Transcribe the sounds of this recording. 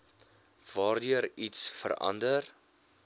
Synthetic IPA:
vɑːrdyəɾitsfə̰ɾɐ̰ndər

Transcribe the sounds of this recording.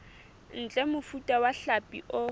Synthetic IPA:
n̩t͡ɬʼɛmʊfutʼawaɬapʼḭʔʊ

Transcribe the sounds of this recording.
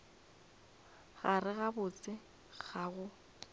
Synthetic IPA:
ɣarɪɣabʊt͡sʼɪ | ɣ̥aɣʊ

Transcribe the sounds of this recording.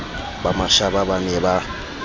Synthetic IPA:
bamaʃababaniɛba

